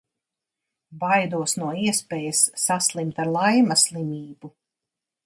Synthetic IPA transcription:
bajd̪uɔsnuɔiɛspɛːjɐsːaslˠimt̪aɾlˠajmɐslˠimiːbu

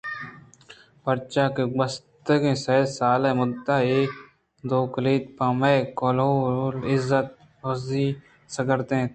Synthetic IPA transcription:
pəɾt͡ʃaːkebəst̪əɡẽːsesaːleːmʊd̪aːeː | d̪oːkəliːd̪paːmeːkoːloːɾolɪzːət̪̚ | oziː | səɡəɾt̪ẽː

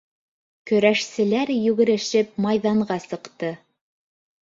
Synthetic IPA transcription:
kɵ̆ɾæʃsɘ̆læɾjʉɣɘ̆ɾɘ̆ʃɘp̚mɑjðɑɴɢɑsɤ̆qt̪ɤ

